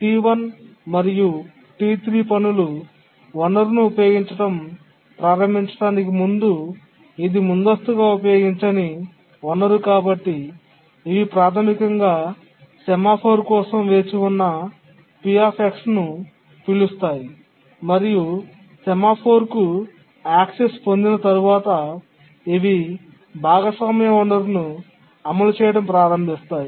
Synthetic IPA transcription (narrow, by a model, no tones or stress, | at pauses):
ʈiːʋɐn | mɐɾiju | ʈiʋit̪ɾiːpɐnulu | ʋɐnɐɾnuːpɐjoːɡiɲt͡ʃɐʈɐm | pɾaːɾɐmbiɲt͡ʃɐ̥ʈaːnik̬imund̪u | id̪imund̪ɐst̪uɡaːup̬ɐjo̞ːɡiɲt͡ʃɐni | ʋɐnːɐɾukaːbɐʈːi | iʋipɾaːt̪ʰɐmikɐŋɡaː | sɛmaːpʰoːɾkɔːsɐmʋe̞ːt͡ʃiunːɐ | pijaːpeksnu | piɭust̪aːji | mɐɾiju | sɛmaːpʰoːɾku | aːksespond̪inɐt̪ɐɾuʋaːt̪ɐ | iʋi | bʱaːɡɐsɐːmɐjɐɐɳɖɐɾnu | ɐmɐlut͡ʃɛːjɐʈɐmpɾaːɾɐmbʱist̪aːji